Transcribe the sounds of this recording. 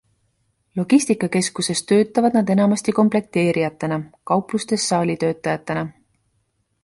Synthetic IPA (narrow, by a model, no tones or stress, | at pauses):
lo̞ɡ̥isʲt̪ikːˑɑke̞skuse̞st̪ø̞ːt̪ˑːɑvɑd̪̥̚nɑd̪e̞nɑmɑst̪iko̞mple̞k̚t̪e̞ːɾijɑt̪ˑːenɑkɑwplust̪e̞sːɑːlʲit̪ø̞ːt̪ːˑɑjɑt̪ːˑenɑ